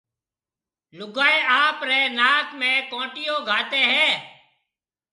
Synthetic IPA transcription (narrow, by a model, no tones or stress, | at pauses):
lʊɡaːeːaːpɾeːnaːkmẽːkõːʈɪjõːɡʱaːt̪eːɦɛː